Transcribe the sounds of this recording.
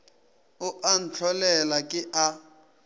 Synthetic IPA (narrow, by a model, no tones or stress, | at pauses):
ʊʔan̩t͡ɬʰɔlɛlakʼɪʔa